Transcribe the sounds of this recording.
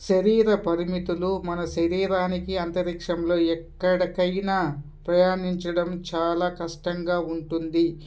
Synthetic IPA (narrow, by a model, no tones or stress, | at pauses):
ʃɐɾiːɾɐpɐɾimit̪ulumɐnɐʃɐɾiːɾaːnikiɐnt̪ɐɾikʂɐmlo̞ːɛkːɐɽɐkɐjnaː | pɾɐjaːniɲt͡ʃɐɽɐmt͡ʃaːlaːkɐʂʈɐŋɡaːuɳʈund̪i